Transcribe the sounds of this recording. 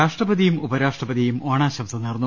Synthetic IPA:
aːʂʈrɐbɐðijumubɐɾaːʂʈrɐpɐðijumoːɳaːɕɐmsɐnirnːu

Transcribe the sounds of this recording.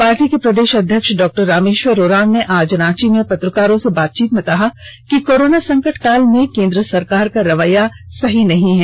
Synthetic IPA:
paːɾʈikepɾɐd̪eːʃɐd̪ʱjəkʃɖɔːk̚ʈəɾːaːmeːʃʋəɾoːɾãːmneʔaːd͡ʒɾaːt͡ʃimẽpɐt̪ɾəkaːɾõsebaːt̪̚t͡ʃiːt̪mẽkɐɦakikoːɾoːnasɐ̃ŋkəʈkaːlmẽkẽːnd̪ɾəsɐɾkaːɾkaɾɐʋəjasɐɦinɐɦĩɦɛː

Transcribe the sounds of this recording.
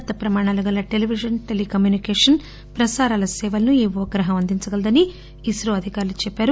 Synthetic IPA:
t̪ːɐpɾɐmaːɳaːlɐɡɐlːɐʈe̞liʋid͡ʒɐnʈelikɐmjuːnikɛːʂɐn | pɾɐsaːɾaːlɐsɛːʋɐlɐnuiːʋɔːɡɾɐɦɐmɐnd̪iɲt͡ʃɐɡɐld̪ɐniː | sɾoɐd̪ʱikaːɾulut͡ʃɛpːaːɾu

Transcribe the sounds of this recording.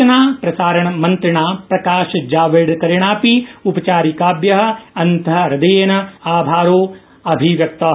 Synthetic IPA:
ɐnaːpɾɐsaːɾɐɳ̃mɐ̃nt̪ɾɪɳaːpɾɐkaːʃd͡ʒaːʋɪɽkɐɾɪɽ̃aːpiupɐt͡ʃaːɾikaːbjɐɦɐ̆ɐnt̪ɐɾɐd̪ɐjeːnɐaːbʱaːɾoː | ɐbʱiʋjɐk̚t̪ɐ

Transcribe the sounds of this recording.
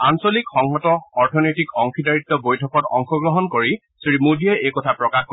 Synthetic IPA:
ansɔlikxɔŋɦɔtɔɔɹtʰɔnɔjtikɔŋkʰidaɹit̪ːɔbojtʰɔkɔtɔ̰ŋxʰɔɡɹɔɦɔnkoɹi | sɹimudiɛʔejkɔtʰapɹɔkaxk

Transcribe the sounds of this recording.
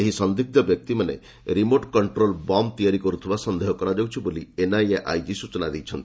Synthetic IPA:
eɦisɔnd̪ik̚d̪ɔbjɔk̚t̪imanḛ | ɾimoʈkɔɳʈɾolbɔmt̪ijaɾikɔɾut̪ʰibasɔnd̪ʱeɦɔkɔɾad͡ʒawt͡ʃʰibolienajeʔa̰jd͡ʒisut͡ʃɔnad̪ejt͡ʃʰɔnt̪ii̥

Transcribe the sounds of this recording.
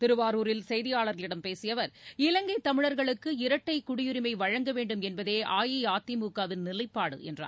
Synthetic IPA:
t̪ɪɾɯʋaːɾuːɾɪlsɛjðɪjaːɭɐɾɣɐɭɪɽɐmpeːsɪjɐʋɐɾɪlɐŋɡɐɪt̪ɐmɪɻɐɾɣɐɭɯkːɯɪɾɐʈːɐɪkʊɽɪjɪɾɪmɐɪʋɐɻɐŋɡɐʋeːɳɖɯmɛnbɐðeːʔaːjiaːt̪ːɪmuːkːaːʋɪnnɪlɐɪpːaːɽɯ̰ʔɛ̰ndra̰ːn

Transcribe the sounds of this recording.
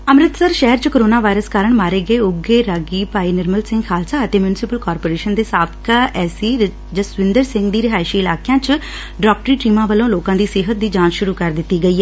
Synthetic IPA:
əmɾət̪səɾʃɛɦəɾt͡ʃəkoːɾoːnaːʋaːɪɾəskaːɾəɳmaːɾeːɡəeːʊɡeːɾaːɡiːpaːiːnɪɾməlsɪ̃ŋɡkʰaːlsaːət̪eːmjunɪsɪpəlkɔːɾpoːɾeːʃənd̪eːsaːt̪ʰkʰɛːsiː | d͡ʒəsʋɪ̃nd̪əɾsɪ̃ŋɡd̪iːɾɪɦaːɪʃiːɪlaːkejãːt͡ʃ | ɖɔːk̚ʈəɾiːʈiːmãːʋəlõːloːkãːd̪iːsɪɦət̪̚d̪iːd͡ʒaːnʃʊɾuːkəɾd̪ɪt̪ːiːɡəiːɛː

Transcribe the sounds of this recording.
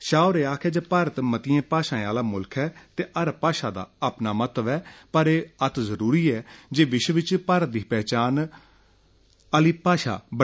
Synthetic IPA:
ʃaːoɾeːaːkʰɛːd͡ʒeːpaːɾət̪mət̪ɪjẽːpaːʃãːẽaːlaːmʊlkʰɛːt̪eːʔəɾpaːʃaːd̪a̰ːapnaːmət̪ʋɛːpəɾeːət̪ʰzəɾuːɾiːɛːd͡ʒeːʋɪʃʋɪt͡ʃpaːɾət̪̚d̪iːpɛːt͡ʃaːn | əliːpaːʃa̰ːbə

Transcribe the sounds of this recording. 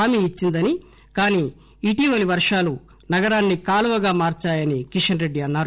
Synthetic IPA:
aːmiːt͡ʃːind̪ɐnikaːniː | iːʈiːʋɐliʋɐɾʂaːlu | nɐɡɐɾaːnːikaːluʋɐɡaːmaːɾt͡ʃaːjɐnikiʂɐnɾe̞ɖːiɐnːaːɾu

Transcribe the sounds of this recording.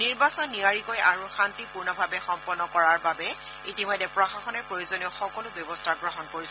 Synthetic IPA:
niɹbasɔnːiaɹikojaɹuxantipuɹnɔbʱabɛxɔmpɔnːɔkɔɹaɹbabɛ | itimɔjdɛpɹɔxaxɔnɛpɹojozonioxɔkɔlʊbjɔbɔstʰaɡɹɔɦɔnkoɹisɛ

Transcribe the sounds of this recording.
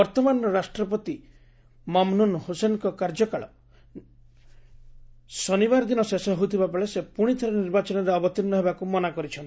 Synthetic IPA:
ɔɾt̪ɔmanɔɾɔɾasʈɾɔpɔt̪i | mɔmnunhosenkɔkaɾd͡ʒɔkaɭɔ | sɔnibaɾɔd̪inɔsesɔɦout̪ʰibapɔɭesepuɽ̃it̪ʰɔɾɔniɾbat͡ʃɔnɔɾeɔbɔt̪inːɔɦebakumɔnakɔɾit͡ʃʰɔn

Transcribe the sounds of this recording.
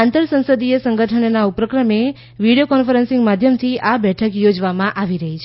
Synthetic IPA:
ant̪əɾsə̃nsəd̪ijesə̃ŋɡʱəʈʰəɳnaupɾəkɾəme | ʋiɽijokɔnfəɾənsɪ̃ŋɡmad̪ʱjəmt̪ʰiʔabɛʈʰəkjod͡ʒʋamãʔaʋiɾəɦit͡ʃʰe

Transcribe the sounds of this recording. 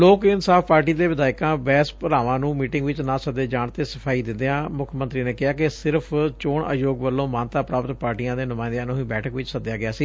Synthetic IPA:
loːkɪnsaːfpaːɾʈiːd̪eːʋɪd̪aːɪkãːbɛːspəɾaːʋãːnũːmiːʈɪ̃ŋɡʋɪt͡ʃnãːsəd̪eːd͡ʒaːɳt̪eːsəpʰaːiːd̪ɪnd̪eːãːmʊkʰmənt̪ɾiːneːkɪaːkɪsɪɾəpʰt͡ʃoːɳə̰joːɡʋəlːõːmãːnt̪aːpɾaːpət̪paːɾʈiːãːd̪eːnʊmaːɪnd̪eãːnõːɦĩːbɛːʈʰəkʋɪt͡ʃsəd̪jaːɡɪaːsiː

